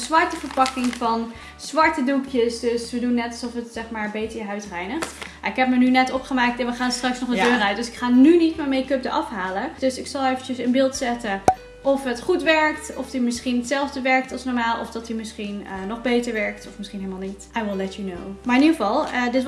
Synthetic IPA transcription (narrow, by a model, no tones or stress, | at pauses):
zʋɑɹtəvəɹpɑkɪŋvɑn | zʋɑɹtədukʰjəsdɵsʋədunːɛtɑlˠsɔfətsɛχmaːɹbejtəjəɦœɥtrɛjnəχt | a̰ɪkɦɛp̚mənynɛtɔpχəmaːk̚tɛ̃nʋəχaːnstrɑksnɔχdədøːɾœɥt̚dɵsɪkχaːnynitmaɹmejkɵp̚dəʔɑfɦaːləd̥ɵsɪksɑlˠejvənt͡ʃəsənbɪːlˠtsɛtən | ʔɔfɦətχutʋɛɹktɔfdimɪsχinətsɛlˠvdəʋɛɹk̚tɑlˠsnɔɹmaːlˠʔɔ̰fdɑtimɪsχinənɔχbejtəɹʋɛɹk̚tɔfmɪsχinɦelmaːlˠnitʔajwɪlˠɛtuno̰wmaːɹɪniχəvɑlˠədɪt